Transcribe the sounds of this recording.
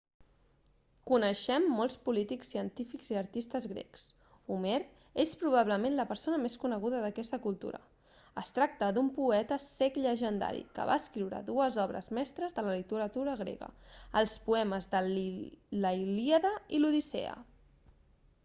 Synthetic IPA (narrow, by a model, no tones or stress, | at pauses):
kunəʃɛmːɔlˠspulit̪iksiənt̪ifikziəɾt̪ist̪əzɣɾɛ̰ks | umeɾ | espɾuβ̞aβləmẽnləpəɾsonəmeskunəɣuðəðəkɛst̪əkulˠt̪ṵɾə̰ | əst̪ɾak̚t̪əd̪umpuɛt̪əsɛkʎəʒənd̪a̰ɾḭkə̰βaːskɾiwɾə̰ðuəzɔβɾə̰zmɛst̪ɾəzðələlit̪əɾət̪uɾəɣ̞ɾḛɣə̰əlˠspuɛməzðə | ləiliəðəiluðisḛə̰